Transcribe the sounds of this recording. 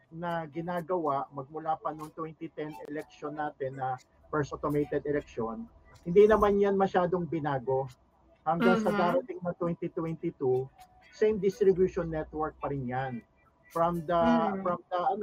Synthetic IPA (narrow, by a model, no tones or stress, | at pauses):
nɐɡɪnaːɡɐwaʔmɐɡ̚mʊlaːpɐnoŋt̪wɛnt̪it̪ɛnɛlɛk̚ʃonːaːt̪ɛnːɐ | pɛɹsot̪omejt̪ɛd̪ɛlɛk̚ʃo̞nhɪnd̪inɐmanjanmɐʃaːd̪oŋbɪnaːɡo̞ | hɐŋɡaŋsɐɡ̪aːɾɐt̪ɪŋnɐt̪wɛnt̪it̪wɛnt̪it̪u | sejmd̪ɪst̪ɾɪbjuʃonːɛt̪wɛɹk̚pɐɾɪnjan | fɾɐmd̪ɐfɾɐmd̪ɐʔɐn